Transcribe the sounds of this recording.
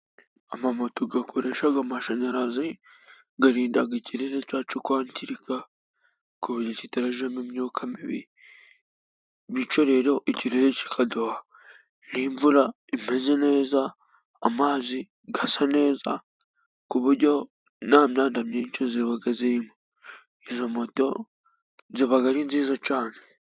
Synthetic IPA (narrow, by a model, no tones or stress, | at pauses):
amamotoɡakʰoɾeʃaɡamaʃaɲaɾazi | ɡaɾiːndaɡiciɾeɾecaːt͡ʃukwaːntʰiɾika | kuβuɾocitaɾaʒemimɲukʰamiβḭi | βit͡ʃo̞ɾeɾoʔiciɾeɾeci̥kʰadoha | niɱvuɾa | im̥e̞ze̞ne̞ːzaː | maːzi | ɡasane̞ːza̰ | kuβuɾɟo̞ | namɲaːndamɲeːɲt͡ʃoziβaɡaziɾimo | izamoto̞ | ziβaɡaɾinziːzat͡ʃaːne